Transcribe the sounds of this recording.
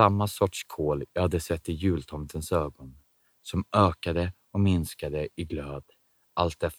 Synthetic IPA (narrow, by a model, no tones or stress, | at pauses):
amːasɔʈʂkʰoːljɑhad̪ːəsɛt̪ːɪjʉ̟ːlt̪ʰɔmt̪ʰənsøːɡɔn | sɔmøːkad̪ə | ɔmɪnskad̪əɪɡløːd̪ | ʔalt̪ɛ